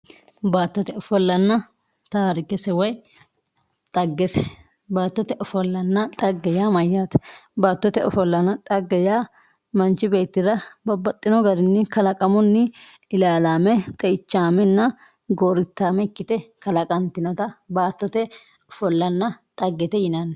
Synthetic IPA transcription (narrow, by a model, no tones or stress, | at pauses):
baːt̪ːɔt̪ɛɔfɔlːɐnːɐ | t̪aːɾɪkɛsɛwɐj | t̪ʼɐɡːɛsɛ | baːt̪ːɔt̪ɛʔɔfɔlːɐnːɐt̪ʼɐɡːɛjaːmɐjːaːt̪baːt̪ːɔt̪ɛɔfɔlːɐnɐt̪ʼɐɡːɛjaː | mɐnt͡ʃɪbe̞ːt̪ːɪɾɐbɐbɐt̪ʼːɪnɔɡɐɾɪnːɪkɐlɐkʼɐmɔnːɪ | ɪlaːlaːmɛt̪ʼɛɪt͡ʃːaːmɛnːɐ | ɡoːɾɪt̪ːaːmɛɪkːɪt̪ɛkɐlɐkʼɐnt̪ɪnɔt̪ɐbaːt̪ːɔt̪ɛ | ɔfɔlːɐnːɐt̪ʼɐɡːɛt̪ɛjɪnɐnːɛ